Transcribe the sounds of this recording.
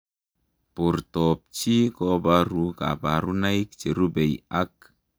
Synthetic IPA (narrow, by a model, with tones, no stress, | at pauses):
pu˨ɾtɔ˨p̚t͡ʃi˦kɔ˦ba˦ɾu˨ka̰˨ba˨ɾu˦na˦i˦kt͡ʃe˨ɾu˦be˨ja˦k̚